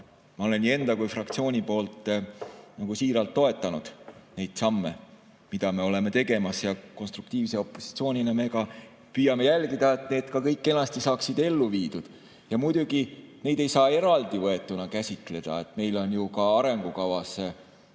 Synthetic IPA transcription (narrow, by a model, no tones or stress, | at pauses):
mɑo̞lenːie̞nd̪̥ɑkujfrɑkt̪sio̞ːnʲipo̞ːlt̪ˑ | nɑɡ̥usiːɾɑlt̪ːo̞e̞t̪ːˑɑnud̪̥ne̞jd̪̥sɑmːe̞̰ | mid̪̥ɑme̞o̞le̞me̞t̪e̞ɡe̞mɑsjɑko̞nst̪ɾuk̚t̪iːvse̞o̞pːo̞si̥t̪sio̞ːnʲineme̞kɑ | pyjːɑme̞jælɡid̪ɑe̞t̪ne̞ːd̪̥kɑkɤjkːe̞nːɑst̪isɑːksid̪e̞lːuviːd̪̥ud̪̥ | jɑmujd̪̥uɡ̥ine̞jd̪e̞jsɑːe̞ɾɑld̪ivɤe̞t̪ːˑunɑkæsʲit̪ˑle̞d̪̥ɑ̰e̞t̪ˑme̞jlo̞njukɑɑɾe̞ŋɡ̥ukɑvɑse